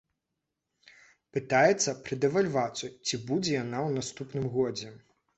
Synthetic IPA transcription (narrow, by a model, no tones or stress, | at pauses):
pɨt̪ajɛt̪sːɐpɾɨd̪ɛvalʲvat̪sut͡sʲibud͡zʲɛjanawnast̪upnɨmɣɔd͡zʲɛ